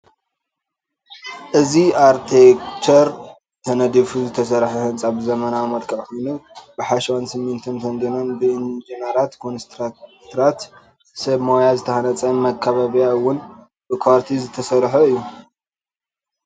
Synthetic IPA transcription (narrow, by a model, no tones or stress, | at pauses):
ʔɨziaɾt̪ʰekt͡ʃʰɐɾ | t̪ʰɐnɐd̪ifuzɨt̪ʰɐsɐɾħɐhɨnt͡sʼabɨzɐmɐnamɐlkʰɐʕkojnubɨħaʃwansɨmːint̪ʰɨnt̪ʰɐnd̪ɐnonbɨʔɨnd͡ʒinaɾat̪kʰonst̪ʰɾat̪ʰɾat̪ | sɐβmojazɨt̪ʰɐhanɐt͡sʼɐmɐkʰːɐβaβijawːʊn | b̥ɨkʰaɾt̪ʰizɨt̪ʰɐsɐɾħɐɨjːu